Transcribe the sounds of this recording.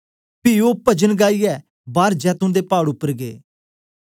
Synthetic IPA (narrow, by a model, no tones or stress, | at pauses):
piːoːpəd͡ʒənɡaːiːɛː | baːɾd͡ʒɛːt̪ʊ̃d̪eːpaːɽʊpːəɾɡḛː